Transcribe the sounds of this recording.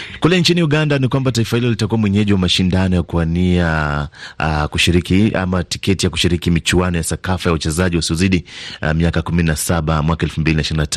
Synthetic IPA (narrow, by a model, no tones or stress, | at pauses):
kulɛnt͡ʃiniuɠandanikwambataifahilɔlitakuwamwɛɲɛʄiwamaʃindanɔjakuania | kuʃiɾikia̰mati̥kɛtijaku̥ʃiɾikimit͡ʃuanɔjasakafajawat͡ʃɛzaʄiwasiɔziɗimiakakumininasaɓamwakaɛlfumbilinaʃiɾinata